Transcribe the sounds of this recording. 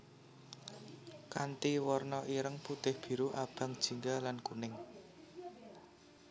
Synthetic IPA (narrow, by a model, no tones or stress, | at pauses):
kant̪iwɔrnɔʔiɾəŋput̪ɪhb̥i̤ɾuʔab̥a̤ŋd̥ʒ̥i̤ŋɡalankunɪŋ